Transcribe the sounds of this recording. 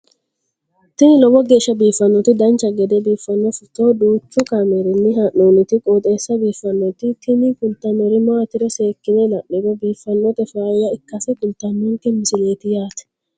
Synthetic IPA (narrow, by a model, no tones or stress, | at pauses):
t̪ɪnɪlɔbɔɡeːʃːɐbiːfːɐnːɔt̪ɪd̪ɐnt͡ʃɐɡɛd̪ɛbiːfːɐnːɔfʊt̪oːᶑuːt͡ʃːʊkɐmɛɾɪnːɪɦɐʔoːnɪt̪ɪkʼoːt̪ʼeːsːɐbiːfːɐnːɔt̪ɪt̪ɪmikʊlt̪ɐmɛɾɪmat̪ɪɾɛse̞ːkːɪnɛlɐʔːɪɡɔbiːfːɐnːɔt̪ɛfaːjɐɪkːɐsɛkʊlt̪ɐnːɔŋkɛmɪsɪleːt̪ɪjaːt̪ɛ̥